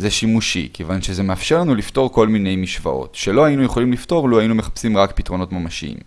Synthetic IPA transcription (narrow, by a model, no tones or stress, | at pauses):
zeʃimuʃḭkevanʃezemeafʃeʁlanulifto̞ʁ̞ko̞lmine̞jmiʃva̰ʔo̞̰tʃelo̞ajinuje̞χo̞limlifto̞ʁloainumeχḁpsimʁakpitʁo̞no̞tmamaʃḭḭm